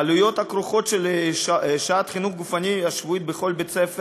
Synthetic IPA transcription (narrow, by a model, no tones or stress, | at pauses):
alujo̞t̪hakɾuχo̞t̪ʃel | ʃaat̪χinuχɡufaniaʃvuit̪̚beχo̞lbet͡sef